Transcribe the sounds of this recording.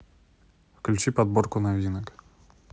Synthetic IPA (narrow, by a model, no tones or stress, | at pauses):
fklʲut͡ɕipad̪̚borkʊnavʲd̪ʲinək